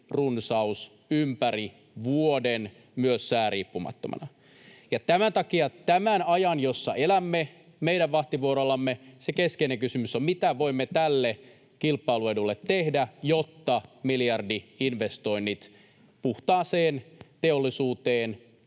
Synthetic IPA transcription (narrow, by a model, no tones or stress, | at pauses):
runsɑus | ympæri | ʋuoden | myøsːæːɾiːpːumɑ̰t̪ːomɑ̰nɑ̰ | jɑt̪æmænt̪ɑkiɑt̪æmænɑjɑnjosːɑelæmːe | meiɾæʋʋɑht̪iʋuoɾolːɑmːesekeskeineŋkysymysommit̪æʋoimːet̪ælːe | kilpːɑiluedulːet̪ːehdæjot̪ːɑmiljɑrdiinʋest̪o̞inːit̪ | puht̪ɑːseːnt̪eolːisuːt̪eːn